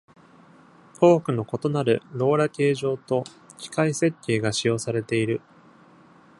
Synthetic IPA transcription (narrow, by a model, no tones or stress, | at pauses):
o̞ːkɯ̟no̞ko̞t̪o̞naɾɯ̟ɾo̞ːɾake̞ːʑo̞ːt̪o̞ | kʲi̥kaise̞kʲːe̞ːɡaɕijo̞ːsaɾe̞t̪e̞iɾɯ̟